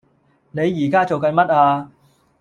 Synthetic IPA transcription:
ne˨˧jːiː˨˩kaː˥t͡so˨wkɐ˨nmɐ˥t̚aː˧

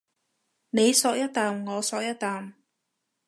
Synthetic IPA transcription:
ne˨˧jsɔː˧k̚jɐ˥t̚t̪aː˨mŋɔː˨˧sɔː˧k̚jɐ˥t̚t̪ːaː˨m

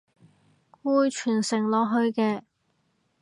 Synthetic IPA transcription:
kuː˧jt͡ʃʰyː˨˩nsɪ˨˩ŋlɔː˨ɦɵ˧ɥkɛː˧

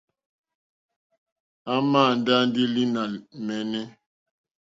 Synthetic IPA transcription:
a˦maː˦˨n˦da˦n˦di˦li˦na˨mɛ˨nɛ˦

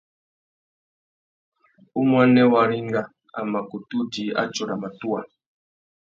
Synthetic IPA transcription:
u˦mwa˦nɛ˦wa˨ɾi˦ŋɡa˦ | a̰˨ma˨ku˨tu˦di˨˦a̰˦t͡ʃɔ˨ɾa˨ma˨tu˦a˨

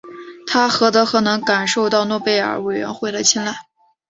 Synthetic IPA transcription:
t̪ʰa˥xɤ˧˥t̪ɤ˧˥xɤ˧˥nɤ˧˥ŋka˨˩nʂo˥˧ʊt̪ɑ˥˧ʊnwɔ˥˧pe˥˩ɪə̰˞˨˩˥we˨˩ɪɥɛ̰˧˥nxwe˥˩ɪlə˧t͡ɕʰjɛ˥nla˥˩ɪ

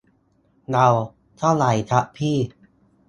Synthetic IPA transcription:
na˧w | t̪ʰa˥˩wla˨˩jt̪ʰa˦˥ʔpʰiː˥˩

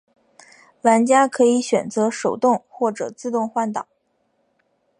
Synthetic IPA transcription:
la˧˥nt͡ɕja˥kʰɤ˧˥i˧˥ɕɥɛ˨˩nt͡sɤ˧˥ʂo˨˩ʊt̪ʊ˥˧ŋxwɔ˥˩ʈ͡ʂɤ̰˨˩t͡sɹ̩˥˧t̪ʊ˥˧ŋxwa˥˩nt̪ɑ̰˨˩˦

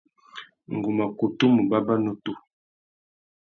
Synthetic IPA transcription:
ŋ˨ɡu˨ma˨ko˨tu˦mu˨ba˦ba˦no˦tu˦˨

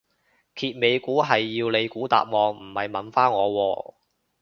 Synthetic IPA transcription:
kʰiː˨˧t̚me˨˧jkuː˨˥ɦɐ˨jːiː˧wle˨˧jkuː˨˥t̪a̰ː˨p̚ŋɔː˨˧ŋm̩˨˩hɐ˨jmɐ˨˥nfaː˥nŋɔː˨˧wɔː˧

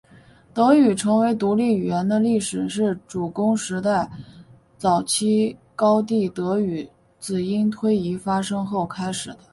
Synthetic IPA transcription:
t̪ɤ˧˥y˨˩ʈ͡ʂʰɤ˧˥ŋwe˧˥ɪt̪u˧˥li˥˩y˨˩jɛ˧˥nd̪ə˧li˥˩ʂɻ̩˨˩ʂɻ̩˥˩ʈ͡ʂu˨˩kʊ˥ŋʂɻ̩˧˥t̪a˥˩ɪ | t͡sɑ˨˩ʊt͡ɕʰi˥kɑ˥ʊt̪̬i˥˩t̪ɤ˧˥y˨˩˦ | t͡sɹ̩˨˩i˥nt̪ʰwe˥ɪi˧˥fa˥ʂɤ˥ŋxo˥˩ʊkʰa˥ɪʂɻ̩˨˩d̪ə˦

